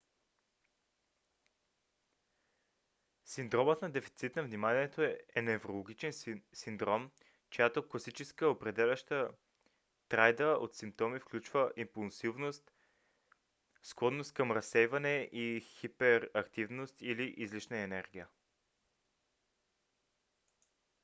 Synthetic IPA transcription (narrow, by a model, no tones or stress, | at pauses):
sind̪ɾɔmət̪nɐd̪ɛfi̥t̪sit̪nɐvnimaniɛt̪oɛnɛvɾolˠoɡʲit͡ʃɛnsind̪ɾɔm | t͡ʃojat̪okosit͡ʃɛskəopɾɛd̪ɛlʲəʃt̪ə | t̪ɾajd̪əot̪simp̚t̪ɔmifklʲut͡ʃvəʔimpulˠsivnost̪ | skɔd̪nost̪̚kɐmɾɐsːɛjvɐnɛʔixipɛɾɐkt̪ivnost̪iliʔizlit͡ʃnəɛnɛɾɡʲijə